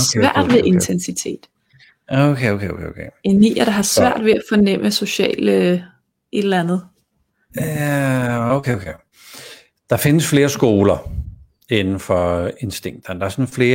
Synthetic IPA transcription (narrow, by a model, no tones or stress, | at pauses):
sʋʋæɐ̰d̥ʋeðˠe̝nt͡sʰensit͡sʰe̝̰ːd̥ | okʰeokʰeokʰḛokʰeenḭːɐɾ̥ɑ̈ɦɑ̈sʋæɐ̰d̥ʋe̝æfɒ̽nem̰ʔəso̝ɕɛ̰ːlə | ʔe̝d̥lænð̞̩ˠ | oʊkʰeokʰe | d̥ɑ̈fe̝nəsfle̝ːɐsɡ̥o̝ːlɐ | e̝nn̩fɒe̝nsd̥e̝ŋ̰d̥ɐnəd̥ɑ̈æɐsɒnfle̝ː